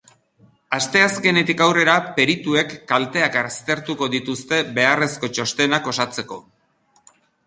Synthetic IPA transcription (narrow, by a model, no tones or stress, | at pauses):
ast̪e̞aske̞ne̞t̪ikawre̞ɾape̞ɾit̪ue̞kːalt̪e̞akaɾst̪e̞ɾt̪uko̞ðit̪ust̪e̞βe̞are̞sko̞t͡ʃo̞st̪e̞nako̞sat͡se̞ko̞